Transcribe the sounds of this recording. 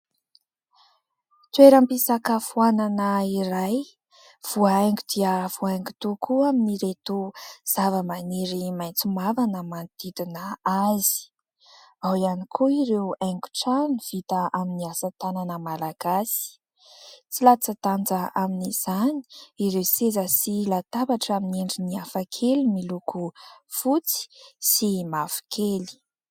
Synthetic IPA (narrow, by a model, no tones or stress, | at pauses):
t̪weɾampisakəfuananəiɾaj | v̥uaaŋɡud̪̥iəv̥uaŋɡu̥t̪ukʰuaminiɾet̪uz̥avəmaniɾimajnt͡sumavanəmant̪id̪inəazi̥ | awianikʰuiɾewaŋku̥ʈ͡ʂaniv̥it̪əʔaminiasət̪ananəmalaɡ̥asi̥i̥ | t͡silat͡sat̪and͡zəʔaminiz̥ani̥iɾewsezəsilat̪abaʈ͡ʂamineɳɖ͡ʐiniafakʰelimilukʰufut͡si̥simafu̥kʰeli̥